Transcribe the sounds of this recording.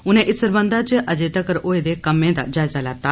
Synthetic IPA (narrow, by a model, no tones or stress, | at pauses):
ʊnẽʔɪsəɾbə̃nd̪at͡ʃəʔɐd͡ʒeːt̪akəɾoːed̪ekɐmːẽd̪a̰d͡ʒaːjzalat̪aː